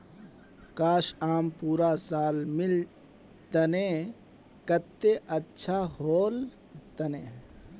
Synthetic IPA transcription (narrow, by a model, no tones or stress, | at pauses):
kaːʃaːmpuːɾaːsaːlmil | t̪ɐnẽ | kɐt̪ːeʔɐtːʃʰaːhoːl | t̪ɐneː